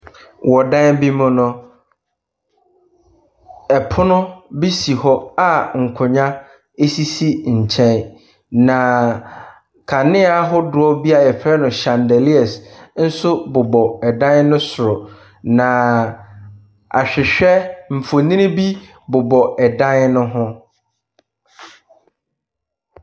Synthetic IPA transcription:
wɔ˨dã˦n˦bi˦mʊ̃˦nʊ̃˦ | ɛ˨pʰʊ˦nʊ̃˦bi˦si˨hɔ˦a˨ŋ̩˨kʰʊ˨ɲã˦ | e˦si˦si˦ɲ̩˨t͡ɕʰɛ̃˦n | nã˨ | kʰa˨nɪ̃˦a˨ɦʊ˦dʊ˨ɔ˦bi˦a˨ɛ˨pʰɾɛ˦nʊ̃˨ɕã˨ndɛ˨li˦ɛ˨sn̩˦sʊ˦bʊ˨bɔ˨ɛ˨dã˦n˦nʊ̃˦sʊ˨ɾʊ˨ | nã˨ | a̰˨ɕᶣɪ˨ɕᶣɛ˦m̩˨fo˨nĩ˦nɪ̃˦bi˦ | bʊ˨bɔ˨ɛ˨dã˦n˦nʊ̃˦ɦʊ̃˦

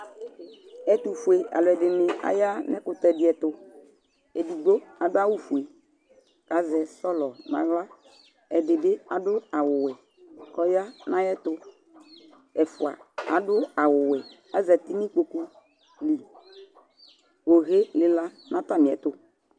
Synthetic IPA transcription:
ɛ˨t̪u˨fu˨e˨ʔa̰˨lʊ˨ɛ˨dɪ˨nɪ˨a̰˨ja˦nɛ˦kʊ˨t̪ɛ˨dɪ˨˦ɛ˨t̪ʊ˨ | ɛ˨di˨ɡ͡bo˦a˨ɡ͡ba˦wu˦fu˨e˨ | ka˨˦zɛ˨sɔ˦lɔ˨nã̰˦ɣla˦ | ɛ˨dɪ˨bɪ˦a˨dʊ˦a˨wʊ˨wɛ˨ | kɔ˦ja˦nã˦jɛ˦t̪ʊ˦ | ɛ˨fʊ˨a̰˨a̰˨dʊ˦a˨wʊ˨wɛ˨ | a˨zɛ˨t̪ɪ˦nĩ˦k͡po˨ku˦ | li˨ | o˨ɣe˦lɪ˨la˦ | nã˦t̪a˦˨nɪ̃˨ɛ̰˨˦t̪ʊ˨

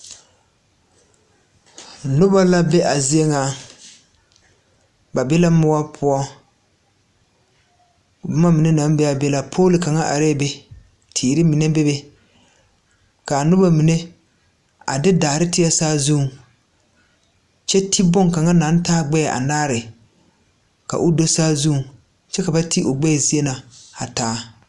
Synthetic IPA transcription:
nʊ˦ba˦la˦be˦ʔa˨zɪ˦ɛ˦ŋa˨ | ba˨bɛ˦la˦mʊ˦wa˦pʰʊ˦ɔ˦ | bʊ˦ma˦mi˨ne˦na˨˦m˦bɛ˦a˨bɛ˦la˨pʰoː˦lɪ˨ka˨ŋa˦ʔa̰˨ɾe˦˨be˦ | tʰiː˨ɾɪ˦mi˨ne˦be˦be˦ | ka˨nʊ˦ba˦mi˨ne˦ | a̰˨dɪ˦daː˨ɾɪ˦tɪ˦ɛ˦saː˦zu˦˨ŋ | t͡ʃɛ˦tʰi˦bʊ˦ŋka˨ŋa˦na˨˦n˦taː˦ɡ͡bɛ˦˨ʔa̰˨naː˦ɾɪ˨ | ka̰˨ʔʊ˦do˦saː˦zu˦˨ŋ | t͡ʃɛ˦ka˨ba˦tʰi˦ʔo˨ɡ͡bɛ˦˨zi˦e˦na˨a˨taː˦

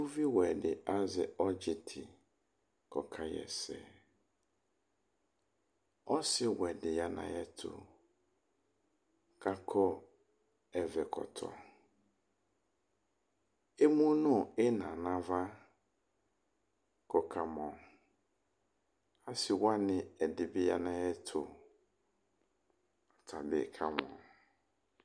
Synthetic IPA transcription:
u˦vi˦wɛ˨dɪ˨ʔa˦zɪ˨ɔ˦d͡ʒɪ˨tʰɪ˨ | kɔ˨kʰa˨jɛ̰˨sɛ̰˨ | ɔ˦sɪ˦wɛ˨dɪ˨ja˨nã̰˨jɛ˨tʰʊ̰˨ | ka˦kʰɔ˦ | ɛ˨vɛ˨kʰɔ̰˨tʰɔ̰˨ | e˦mũ˦nʊ̃˦˨ɪ˦nã˨nã˨va˦ | kɔ˨kʰa˨mɔ̃˨ | a˦sɪ˨wa˦nɪ̃˨ɛ˨dɪ˨bɪ˦ja̰˦nã˦jɛ˦tʰʊ˨ | tʰa˨bɪ̰˨kʰa˦m˨ɔ̰̃˨

